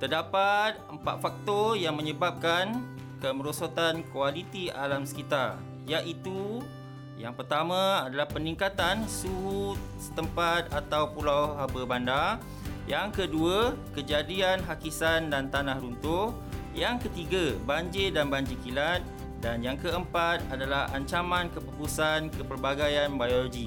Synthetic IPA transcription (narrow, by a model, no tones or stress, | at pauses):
t̪ərdapat̪̚əmpa̰t̪̚fak̚t̪ɔjaŋmə̃ɲəbap̚kan | kəməɾosot̪ankualit̪ia̰lamsə̥kit̪ar | jaʔit̪u | jaŋpərt̪amãadalahpəniŋkat̪ansuɦu | sə̥t̪əmpat̪̚at̪awpulawɦabəbanda | jaŋkəduakəd͡ʒadianɦakisandant̪anãhɾunt̪ʊ | jaŋkət̪iɡabaɲd͡ʒedanbaɲd͡ʒikilat̪̚ | danjaŋkəəmpat̪̚adalaha̰ɲt͡ʃamãnkəpukusankəpərbaɡajanbajoloɡi